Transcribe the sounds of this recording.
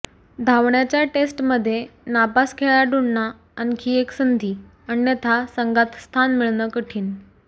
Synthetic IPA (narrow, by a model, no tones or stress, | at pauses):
d̪ʱaʋɳjat͡ɕjaʈesʈməd̪ʱːjenapaskʰeɭaɖuɽnaː | nkʰiːeksənd̪ʱiː | ənnjət̪ʰasəŋɡat̪st̪ʰanmiɭnəkəʈʰiːn